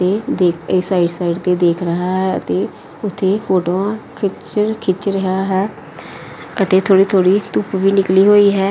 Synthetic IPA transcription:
ət̪eːd̪eːkeːsaːɪɖsaːiɖt̪eːd̪eːkʰɾəɦaːɦɛːə̰t̪eː | ʊt̪ʰːeːpʰoːʈoːãːkʰɪt͡ʃkʰɪt͡ʃɾəɦaːɦɛː | ət̪eːt̪ʰoːɽiːt̪ʰoːɽiːt̪ʊpʋiːnɪkliːɦoːiːɦɛː

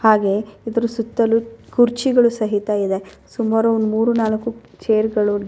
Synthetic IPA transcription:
haːɡe̞id̪ɐɾusut̪ːɐlːukuɾt͡ʃiɡɐɭusɐɦit̪ɐid̪e̞sumaːɾuond̪umuːɾunaːlɐkːu | t͡ʃeːɾɡɐɭu

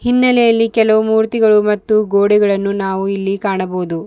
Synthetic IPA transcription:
hinːɐlɛjɐlːikɛlɐʋumuːɾt̪iɡɐɭumɐt̪ːuɡoːɽiɡɐɭɐnːunaːʋuilːikaːɳɐboːd̪u

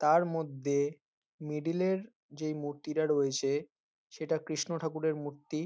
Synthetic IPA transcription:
t̪aɾmod̪ʱːe | miɖileɾ | d͡ʑejmuɾt̪iʈaɾoet͡ɕʰe | ʃeʈakɾiʃnoʈʰakuɾeɾmuɾt̪i

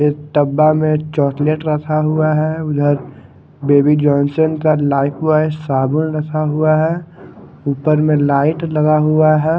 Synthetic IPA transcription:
ɪʈəbːamẽt͡ʃɔːʈleʈɾɐkʰaɦuaɦɛʊd̪ʱəɾ | beːbid͡ʒɔːnsənkalaːɪpʰʋaɪsaːbʊlɾɐkʰaɦuaɦɛ | uːpəɾmẽlaːɪʈlɐɡaɦuaɦɛ

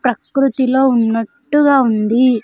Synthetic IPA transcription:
pɾɐkɾut̪ilo̞ːunːɐʈːuɡaːund̪i

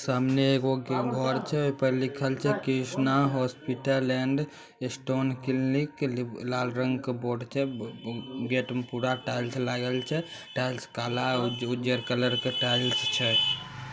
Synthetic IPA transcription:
samneːɡoɡʱɔɾt͡ʃʰɛojpəlikʰəlt͡ʃʰɛkisnaɦɔspiʈəɾɛɳɖ | esʈonkilniklalɾəŋɡkeboɖt͡ʃʰɛ | ɡeʈəmpuɾaʈajlslaɡəlt͡ʃʰɛʈajlskalaud͡ʒəɾkələɾkeʈajlst͡ʃʰɛ

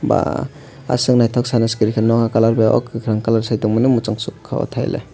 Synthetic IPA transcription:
ba̰ | a̰sɯŋnajtʰɔksanaskiɾikʰenɔŋakalaɾbeɔ̰kɯkʰɾaŋkalaɾsajtɔŋmɯnɯmut͡ʃaŋsukʰːaɔ̰tʰajlʔḛ

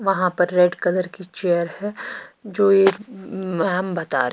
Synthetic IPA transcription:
ʋɐɦãpɐɾːɛɖkɐləɾkit͡ʃejəɾhɛd͡ʒoːemɛːmbɐt̪a̰ːɾ

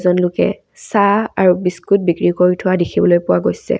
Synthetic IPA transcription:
zɔnlʊkɛ̰ | saaɹubiskut̚bikɹikoɹitʰʊadikʰibɔlojpʊwaɡojsɛ̰

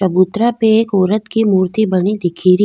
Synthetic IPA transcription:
t͡ʃɐbut̪ɾapeeːkoːɾət̪kimuːɾt̪ibɐɽid̪ɪkʰiːɾi

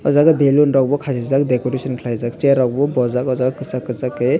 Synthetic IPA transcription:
ɔzaɡɯbelunɾawbɔkʰasizak̚dekɔɾesʰɔnkʰilajzak̚t͡ʃeɾawbɔbɔzakɔzaɡɯkɯsakːɯzakːe

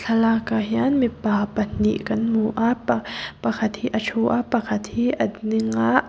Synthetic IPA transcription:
ɬʰɐlaːkaɦjaːnmipaːpɐnːḭːʔkɐnmuːʔappɐkʰɐt̪ʰiʔɐt͡ʃʰoːʔaːpɐkʰɐt̪ʰhiʔɐd̪niŋa

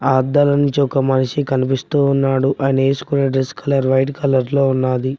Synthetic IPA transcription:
aːd̪ɐlɐnuɲt͡ʃiɔkɐmɐniʂikɐnipist̪uːnːaːɽuʔɐjnɐe̞ːsu̥kunɐɖɾeskʰɐlɐɾʋɐjʈkɐlɐɾlo̞ːunːaːd̪i

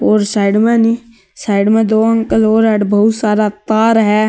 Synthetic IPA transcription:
oːɾsaːɪɖmẽni | saːɪɖmẽd̪oːə̃ŋkəloːɾɛɖbəɦʊt̪saːɾat̪aːɾɦɛ

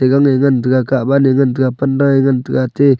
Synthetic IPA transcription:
eɡaŋeŋantəɡakabaneŋantəɡapandaŋeŋantəɡate

